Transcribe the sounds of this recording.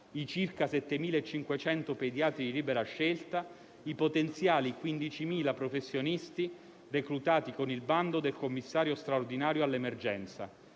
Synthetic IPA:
it͡ʃirkasɛt̪ːemiːlaet͡ʃːiŋkwet͡ʃɛnt̪oped̪jaːt̪ɾid̪iliːbeɾaʃːelt̪a | ipot̪ent̪sjaːlikwind̪it͡ʃimiːlapɾofesːjonist̪i | rekɾut̪aːt̪ikonilband̪od̪elkomːisːaːɾjost̪ɾaord̪inaːɾjoalːemerd͡ʒɛnt̪sa̰

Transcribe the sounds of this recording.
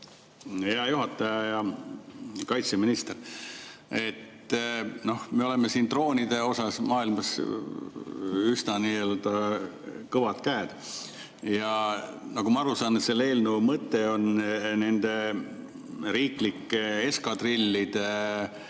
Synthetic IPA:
he̞ɑjuɦɑt̪ːˑɑjɑjɑ | kɑjt̪seminist̪er | e̞t̪ː | no̞hmeo̞lemesiːnt̪ro̞ːnid̪̥e̞o̞sɑsmɑːilmɑs | ysnɑniːøːld̪ɑ | kɤvɑt̪kæːd̪̥ | jɑ | nɑɡ̥umɑɑɾusɑːnet̪selːe̞ːlnumɤt̪ːˑe̞o̞nne̞nd̪̥e̞ | ɾiːklikːee̞skɑt̪rilʲːid̪̥e

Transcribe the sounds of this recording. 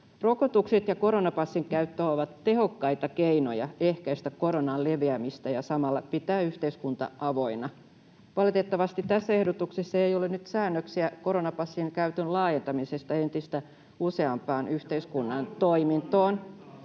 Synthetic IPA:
rokot̪ukset̪jɑkoɾonɑpɑsːiŋkæyt̪ːøoʋɑt̪tːehokːɑit̪ɑkeino̰jɑehkæist̪ækoɾonɑlleʋeæmist̪æjɑsɑmɑlːɑpit̪æːyht̪eiskunt̪ɑ̰ʔɑʋo̞inɑ | ʋɑlet̪et̪ːɑʋɑst̪it̪t̪æsːæehdot̪uksesːɑejolennyt̪sæːnːøksiækoɾonɑpɑsːiŋkæyt̪ønlɑːjent̪ɑmisest̪ɑent̪ist̪æ | use̞ɑmpɑːnyht̪eiskunːɑnt̪oimint̪oːn

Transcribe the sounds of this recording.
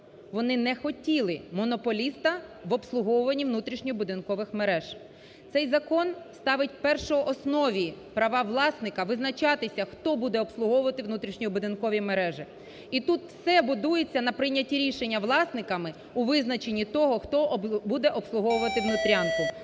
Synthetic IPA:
ʋɔnɪnɛxɔtʲilˠɪmɔnɔpɔlʲist̪ɐʋɔpslˠʊɦɔwʊʋɐnʲːiʋnut̪ɾʲiʃnʲɔbʊd̪ɪnkɔʋɪxmeɾɛʒ̥ | t̪sɛjzɐkɔnst̪ɑʋɪt̚ʲpɛrʃɔɔʔɔsnɔʋʲipɾɐʋɑʋlˠɑsnɪkɐʋɪznɐt͡ʃɑt̪ɪsʲɐxt̪ɔbud̪ɛɔpslˠʊɦɔwʊʋɐt̪ɪwnut̪ɾʲiʃnʲiibʊd̪ɪnkɔʋʲimeɾɛʒɪ | it̪ut̪wsɛbʊd̪ujet͡sʲːɐnɐpɾɪjnʲːɐtʲiɾʲiʃenʲːɐʋlˠɑsnɪkɐmɪ | uʋɪznɐt͡ʃenʲːit̪ɔɦɔxt̪ɔbud̪ɛʔɔpslˠʊɦɔwʊʋɐt̪ɪʋnʊt̪ɾʲɑnkʊ

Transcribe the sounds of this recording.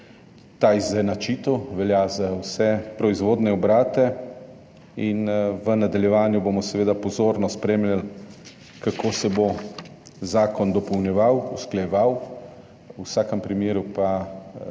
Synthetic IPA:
t̪aizɛnat͡ʃiːt̪ɔʋɛljazawsɛpɾɔizʋoːd̪nɛɔbɾaːt̪ɛ | inʋənad̪aljɛʋaːnjubomɔsɛʋeːd̪apɔzoːɾnɔspɾeːmlʲjal | kakʰoːsɛbo | zaːkɔnd̪ɔpɔwnjɛʋawusklajɛʋaw | usaːkɛmpɾimeːɾupa

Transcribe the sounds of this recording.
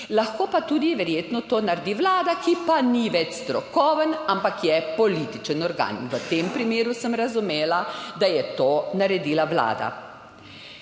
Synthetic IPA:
laxkoːpat̪uːd̪iʋɛɾjeːt̪nɔt̪oːnaɾd̪iʋlaːd̪akipaniʋɛt͡ʃst̪ɾɔkɔːʋənampakjɛpɔliːt̪it͡ʃənɔɾɡa̰ːnʋət̪eːmpɾimeːɾusəmɾazumeːlad̪ajɛt̪oːnaɾɛd̪iːlaʋla̰ːd̪a̰

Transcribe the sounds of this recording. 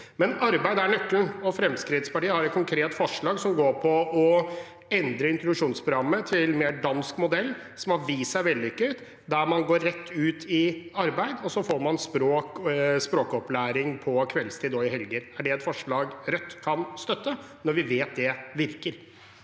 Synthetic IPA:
mɛnɑɾbæɪd̪əæɾɳœkːlnɔfɾɛmskɾɪd̪spɑʈiːəhɑɾɛt̪kʰʊŋkʰɾeːt̪fɔʂɭɑːɡsɔmɡoːɾpʰɔɔ | ɛnd̪ɾəɪnt̪ɾʊd̪ʉʂuːnspʰɾʊɡɾɑmːət̪ʰɪlmeːɖɑnskmʊd̪ɛlː | sɔmhɑɾʋiːsæɪʋɛld̪ɪʏkːət̪ | d̪æɾmɑnɡoːɾːɛt̪ʰːʉːt̪ʰɪɑɾbæɪd̪ɔsɔfoːɾmɑnspɾoːkspɾoːkɔplæːɾɪŋpʰɔkʰʋɛlst̪ʰiːd̪ɔɪɦɛlɡəɾæɖɛɛt̪fɔʂɭɑːɡɾɛt̪ːkʰɑnst̪œt̪ːənɔɾʋɪʋeːt̪̚d̪ɛʋɪɾkəɾ

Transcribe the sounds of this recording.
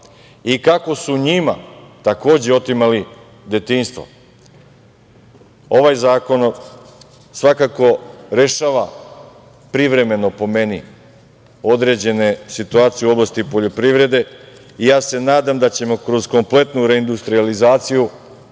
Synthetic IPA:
ikako̞suɲimat̪ako̞ːd͡ʑeo̞t̪imali | d̪e̞t̪inst̪vʋo̰ | o̞ʋajzaːko̞n | sʋakako̞ɾe̞ʃaːʋa | pɾiʋɾe̞me̞nopo̞me̞ni | o̞d̪ɾe̞d͡ʑe̞nesit̪uaːt̪sijeuo̞blˠast̪ipo̞ʎo̞pɾiʋɾe̞d̪e̞ | ijaːse̞naːd̪amd̪at͡ɕe̞mo̞kɾo̞zko̞mple̞t̪nuɾe̞ind̪ust̪ɾializaːt̪siju

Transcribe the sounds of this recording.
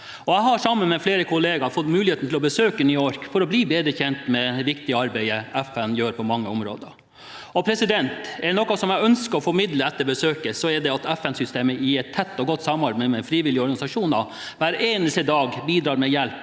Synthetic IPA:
ɔæɪɦɑʂɑmːənmɛfleːɾəkʰʊleːɡɑɾfɔt̪mʉːlɪheːt̪nt̪ʰɪlɔbəsøːkənʏɔɾkfɔɾɔbliːbeːd̪əçɛnt̪mɛʋɪkt̪ɪəɑɾbæɪəæfɛnjøːɾpʰɔmɑŋːəʊmɾo̰ːd̪ə | ɔpʰɾɛsɪd̪ɛnt̪ɛnɔkɑsɔmæœnskəɾɔfɔɾmɪd̪ləɛt̪ːəɾbəsøːkəsɔɛɖɛɑt̪ɛfɛnsʏst̪eːməɪɛt̪ʰːɛt̪ːɔɡɔt̪ːsɑmɑɾbɛmɛfɾiːʋɪlːɪəɔɾɡɑnɪsɑʂuːnɑ | ʋæɾeːnəst̪əd̪ɑːɡbiːd̪ɾɑːɾmɛjɛlp

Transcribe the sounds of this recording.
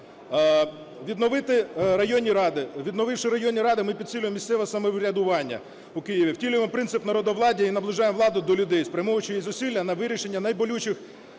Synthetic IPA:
ʋʲid̪nɔʋɪt̪ɪɾɐjɔnʲːiɾɑd̪ɪʋʲid̪nɔʋɪfʃɪɾɐjɔnʲːiɾɑd̪ɪmɪpʲid̪̚ʲsʲilʲʊjemʲːist̪ɛʋɔsɐmɔʋɾʲɐd̪ʊʋɑnʲːɐ̰ | ʊkɪjiʋʲiwtʲilʲʊjemɔpɾɪnsɪpnɐɾɔd̪ɔʋlˠɑdʲiinɐblˠɪʒɑjemʋlˠɑd̪ʊd̪ɔlʲʊd̪ɛjspɾʲɐmɔɦʊt͡ʃɪjizʊsʲilʲːɐnɐʋɪɾʲiʃe̞nʲːɐnɐjbɔlʲut͡ʃɪx

